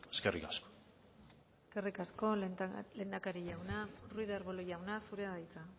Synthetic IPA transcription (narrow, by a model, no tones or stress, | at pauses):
eskerḭkasko̥ | eske̞rikasko̞le̞nd̪akaɾiʝawnarujðaɾβo̞lojawnasuɾeaðajt͡sa